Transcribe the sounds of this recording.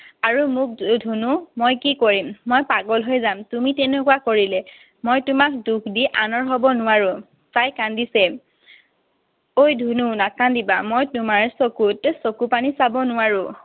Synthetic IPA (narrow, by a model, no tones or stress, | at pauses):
aɹumʊk̚dʱunumojkikoɹimːojpaɡɔlɦojzamtumitɛnɛkuwakoɹilɛ | mojtʊmak̚dukʰdiʔanɔɹɦɔbɔnʊwaɹʊ̃ | tajkandisɛ | ojdʱununakandibamojtʊmaɹsokutsokupanisabɔnʊwaɹʊ̃